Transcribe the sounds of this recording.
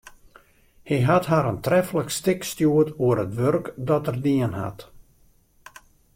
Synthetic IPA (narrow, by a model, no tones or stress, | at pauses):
hiɦatɦaɾəntrɛfələkstɪkstjuətuəɾətʋørkdɔtərdiənha̰t